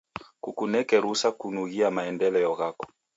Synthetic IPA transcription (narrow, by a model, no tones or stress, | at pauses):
kukunɛkɛɾusakunuɣiamaɛndɛlɛjɔɣakɔ̥